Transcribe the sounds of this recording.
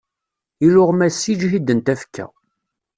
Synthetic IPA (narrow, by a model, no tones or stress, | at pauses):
iɾʊʁmæsːid͡ʒɦid̪ənt̪æfkʰːæ̰